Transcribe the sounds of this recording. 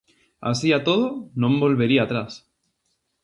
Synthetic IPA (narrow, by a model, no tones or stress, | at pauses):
a̰siat̪oð̞onõmbolβeɾiaːt̪ɾas